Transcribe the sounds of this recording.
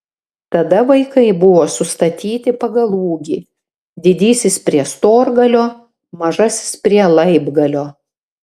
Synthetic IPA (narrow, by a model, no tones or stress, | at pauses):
t̪ɐd̪ɐʋɐɪkɐɪbʊʋoːsʊst̪ɐt̪ʲiːt̪ʲɪpɐɡɐlˠuːɡʲiː | d̪ʲɪd̪ʲiːsʲɪspʲɾʲiɛst̪oːɾɡɐlʲoː | mɐʒɐsʲɪ̥spʲɾʲiɛlˠɐɪbɡɐlʲoː